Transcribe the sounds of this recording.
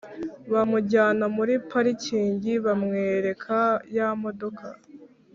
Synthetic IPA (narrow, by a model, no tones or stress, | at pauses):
βamuɟaːnomuɾipaɾiciːɲɟiβamŋeːɾe̞kʰajamo̞do̞kʰa